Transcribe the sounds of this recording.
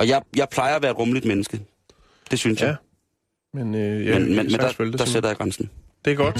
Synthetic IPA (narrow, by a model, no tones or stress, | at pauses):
ɒ̽jɑ̈ɪjɑ̈ɪpʰlɑ̈ɪɐɒʋæːɐed̥ʁɔ̽mlid̥menəsɡ̥ə | d̥e̝synsjɑɪ | menjmenmenmend̥ɑøld̥ɑ̈seɾ̥ɐjɑ̈ɡ̥ʁansn̩ | d̥eɡ̥ɒd̥